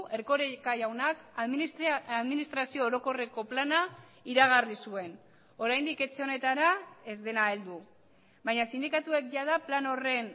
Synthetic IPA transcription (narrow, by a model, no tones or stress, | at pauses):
e̞ɾko̞ɾekajawnakaðmiaðminist̪ɾasio̞ːɾo̞ko̞re̞ko̞planaiɾaɣ̞arisue̞n | o̞ɾajnd̪ike̞t͡se̞o̞ne̞t̪aɾae̞zd̪e̞naeld̪u | bajɲasind̪ikat̪ue̞k̚ʝað̞aplano̞re̞n